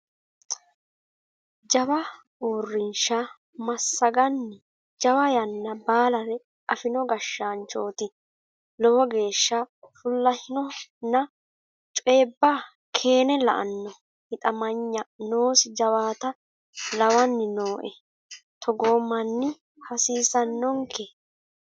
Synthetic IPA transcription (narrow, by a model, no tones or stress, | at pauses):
d͡ʒɐwɐ | uːrːɪnʃa | mɐsːɐɡɐnːɪ | d͡ʒɐwɐjɐnːɐbaːlɐɾɛ | ʔɐfɪnɔɡɐʃːaːnt͡ʃʼoːt̪ɪ | lɔwɔɡe̞ːʃːɐfʊlːɐhɪnɔnːɐ | t͡ʃʼe̞ːbːaː | kʰe̞ːnɛlɐ̰ʔɐ̰nːɔ | hɪt̪ʼɐmɐɲːɐnoːsɪd͡ʒɐwaːt̪ɐ | lɐwɐnːɪnoːʔɛ | t̪ʰɔɡoːmːɐnːɪ | hɐsiːsɐnːɔŋkʰɛ